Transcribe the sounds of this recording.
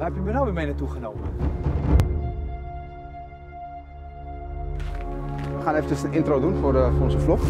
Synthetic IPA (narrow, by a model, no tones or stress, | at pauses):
hɛpjəbənalʋɪmenatuχənowmə | ʋəχaːneːfəcəsənɪntrodunforəfoɔnzəflɔx